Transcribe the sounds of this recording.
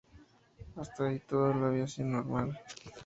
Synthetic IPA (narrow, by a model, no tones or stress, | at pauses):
ast̪ait̪oðolaβjasjonːoɾmal